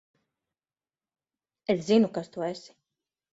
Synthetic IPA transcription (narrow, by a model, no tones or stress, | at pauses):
eszinukast̪uɛsi̥